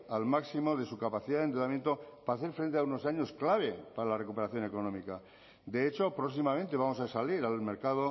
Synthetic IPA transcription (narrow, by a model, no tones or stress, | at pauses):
almaksimo̞ðe̞sukapaθiðaðent̪uðamje̞nt̪o̞paaːθe̞ɾfɾe̞nt̪eauno̞saɲo̞sklaβ̞e̞paɾalarekupe̞ɾaθjo̞ne̞ko̞nomika | d̪e̞et͡ʃo̞pɾoksimament̪e̞β̞amo̞sasaliɾalme̞ɾkaðo